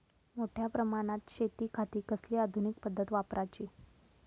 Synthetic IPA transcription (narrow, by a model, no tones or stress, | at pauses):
moʈʰjapɾəmaɽ̃at̪ɕet̪iːkʰat̪iːkəsliːad̪ʱunik̚pəd̪ʱːət̪ʋapɾʔat͡ɕiː